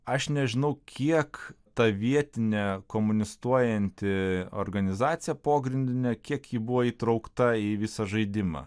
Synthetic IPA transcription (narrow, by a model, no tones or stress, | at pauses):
ɐʃnʲɛʒʲɪnɐʊkʲʰiɛkt̪ɐʋʲiɛt̪ʲɪnʲɛkoːmʊnʲɪst̪uɔjɛnʲt̪ʲɪo̰ːɾɡɐnʲɪzɑːt̪sʲɪjɛpoːɡɾʲɪnʲd̪ʲɪnʲɛkʲiɛkjiːbʊʋoːiːt̪ɾɐʊkt̪ɐiʋʲɪsɐʒɐɪd̪ʲɪmɑ̰ː